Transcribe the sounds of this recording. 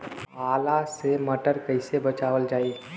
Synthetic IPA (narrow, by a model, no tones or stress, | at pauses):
aːlaseməʈəɾkəɪsebət͡ʃaːʋəld͡ʒaːi